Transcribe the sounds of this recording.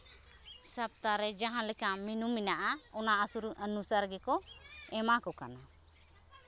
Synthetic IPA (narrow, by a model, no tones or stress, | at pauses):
sap̚t̪aɾɛd͡ʒaɦãlɛkaminumːinaʔaɔnaʔasuɾuənusaɾɡɛkɔ | ɛmakɔka̰na